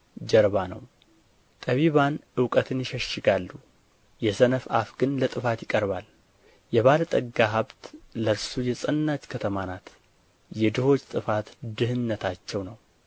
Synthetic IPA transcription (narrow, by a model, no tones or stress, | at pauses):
d͡ʒɛɾβanə̰w | t̪ʼəβiβanʔɨwkʼət̪ʰɨnjɪʃəʃːɪɡalːu | jɛsənəfa̰fɡɨnlət̪ʼɨfat̪jɪkʼəɾβal | jɛβalt̪ʼəɡːaɦaβt̪ləɾsujɛsʼənːat͡ʃkʰət̪ʰəmanat̪ | jɛd̪ɨho̞t͡ʃːt̪ʼɨfat̪d̪ɨhɨnːət̪ʰat͡ʃːɛwnəw